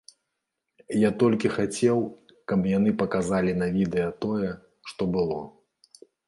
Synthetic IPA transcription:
jat̪ɔlʲkʲixat͡sʲɛw | kɐbjan̪ɨpɐkazalʲinɐvʲid̪ɛjɐt̪ɔjɛ | ʂt̪ɔbɨlˠɔ

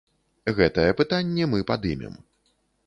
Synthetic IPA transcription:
ɣɛt̪ɐjɛpɨt̪anʲːɛmɨpad̪ɨmʲɛ̰m

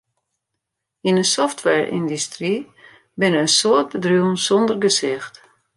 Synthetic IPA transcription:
inəsɔftʋɛɹʔḭndystri | bɪnəəsoət̚bədruənsɔndərɡəsɪxt

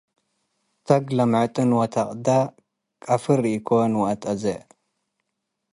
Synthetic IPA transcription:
t̪ʰɐɡlɐmʕɨt̪ʼɨnwɐt̪ʰaqʼd̪a | kʼafɨɾiikʰonwɐt̪ʼɐze

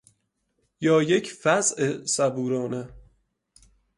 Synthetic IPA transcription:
jɒːjecʰfæzʔesæbuːɾɒːne

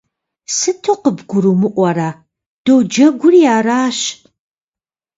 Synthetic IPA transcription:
sɨtʰoqəbɡʷʊɾuːmɨʔʷɐɾaː | d̥owd͡ʒɐɡʷʊrjaːraːɕ

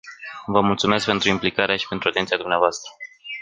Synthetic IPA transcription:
vəmult̪sume̞sk̚pe̞nt̪ɾuimplikaɾeaʃi̥pe̞nt̪ɾuat̪ent̪iad̪umneavoast̪ɾə

